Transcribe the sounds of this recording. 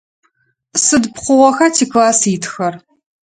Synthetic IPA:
sɨdpχʷʊʁɔxɐtʰiːklaːsitʰxɐr

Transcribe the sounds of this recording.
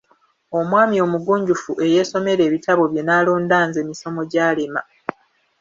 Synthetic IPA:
o̞mwaːmio̞ːmuɡuːɲɟufuʔe̞je̞ːso̞me̞ɾe̞ːβitaβo̞βje̞naːloːndaːnze̞ːmiso̞moɟaːlema̰

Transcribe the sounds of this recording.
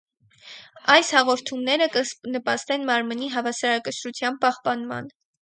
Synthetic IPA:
ɑjshɑʁɔɾt̪ʰumnɛɾəkənəpɑst̪ɛnmɑɾməniɦɑvɑsɑɾɑkəʃɾut͡sʰjɑmpɑhpɑnmɑ̰n

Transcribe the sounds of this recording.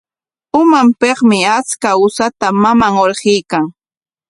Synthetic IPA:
ʊmampeχmɪat͡skaʊsat̪amamaŋoɾχɪjkaŋ

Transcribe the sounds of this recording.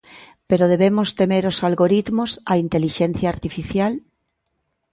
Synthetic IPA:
peɾoð̞eβ̞emost̪emeɾosalɣoɾit̪mosaint̪eliʃen̟θjaːɾt̪ifiθjal

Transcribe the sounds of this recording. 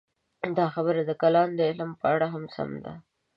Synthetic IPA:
d̪ɑxabəɾad̪əkalɑnd̪əɪlmpəaɽaɦamsa̰md̪a̰

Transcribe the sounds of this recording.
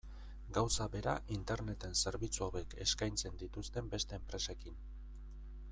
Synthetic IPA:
ɡawsaβe̞ɾa̰ʔint̪e̞ɾne̞t̪e̞nse̞ɾβit͡suoβeke̞̰skajnt͡se̞nd̪it̪ust̪e̞mbe̞st̪e̞ːmpɾe̞se̞kin

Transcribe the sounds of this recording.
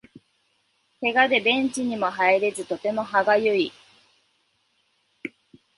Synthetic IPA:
he̞ɡad̪e̞bẽ̞ɲ̟t͡ɕiɲ̟imo̞ɦaeɾe̞zɨt̪o̞t̪e̞mo̞ɦaɡajɯi

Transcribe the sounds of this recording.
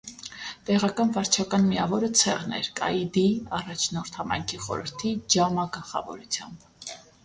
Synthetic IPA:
t̪ɛʁɑkɑnvɑɾt͡ʃʰɑkɑnmiɑvɔɾət͡sʰɛʁnɛ̰ɾkɑ̰jd̪iɑrɑt͡ʃʰnɔɾt̪ʰhɑmɑ̰jŋkʰiχɔ̰ɾə̰ɾt̪ʰid͡ʒɑmɑɡəlˠχɑ̰vɔ̰ɾut͡sʰjɑ̰mb̥

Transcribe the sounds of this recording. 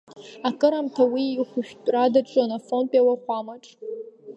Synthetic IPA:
akʼɨɾamtʰawiːχʷʊʃᶣtʼradaʈ͡ʂʼonafo̞npʼjawaχʷamaʈ͡ʂʼ

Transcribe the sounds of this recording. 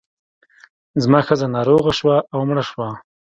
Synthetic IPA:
zmɑːxəzanɑːɾoɣaʃwaʔawmɽaʃwa

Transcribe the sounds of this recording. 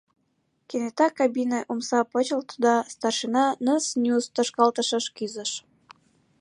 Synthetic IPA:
kenet̪ɑkɑbineʔumsɑpət͡ɕə̆lt̪ud̪ɑst̪ɑrʃinɑnəsnʲust̪ə̆ʃkɑlt̪ə̆ʃəʃkyzə̆ʃ

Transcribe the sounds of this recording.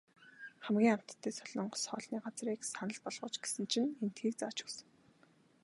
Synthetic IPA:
χæmɡʲiːŋam̥t̪ːeːsɔɮɞ̆ɴɢ̆sχɔːɮniːɢat͡sriːksanə̆ɮpɔɮʁʊ̆ːt͡ɕɡe̥sɘ̆nt͡ɕʰinen̥t̪xiːkt͡saːt͡ɕɵ̥sɘ̥̆ŋ

